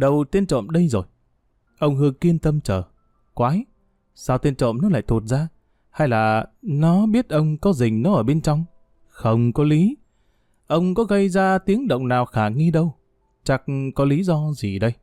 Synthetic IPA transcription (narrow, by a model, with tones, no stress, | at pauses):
ɗə˨˩wt̪i˧ənt͡ɕo̰˧˨mɗə˧jzo˨˩j | ʔə˧wŋ͡mhɨ˧əŋki˧ənt̪ə˧mt͡ɕəː˧˩ | kwaː˨˦j | saː˧wt̪i˧nt͡ɕo̰˧˨mnɔ˨˦la̰ː˧˨jt̪ʰu˨˩t̚zaː˧ | ha˧jlaː˨˩nɔ˨˦ɓi˦˥ət̚ʔə˧wŋ͡mkɔ˨˦zï˨˩ŋ̟nɔ˨˦ʔəː˧˩ɓe˧nt͡ɕɔ˧wŋ͡m | xə˧wŋ͡mkɔ˨˦li˨˦ | ʔə˧wŋ͡mkɔ˨˦ɣə˧jzaː˧t̪i˨˦əŋɗə̰˧˨wŋ͡mnaː˨˩wxaː˧˩ŋi˧ɗə˧w | t͡ɕa˨˩k̚kɔ˨˦li˨˦zɔ˧zi˨˩ɗə˧j